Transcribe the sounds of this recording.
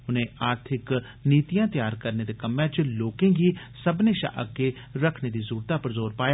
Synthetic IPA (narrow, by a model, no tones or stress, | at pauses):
ʊnẽaːɾt̪ʰɪk | niːt̪ijãːt̪jaːɾkəɾned̪ekəmːjãt͡ʃloːkẽɡi | səbneʃa̰ːʔə̰ɡe | ɾəkʰned̪izuːɾt̪apəɾzoːɾpaːja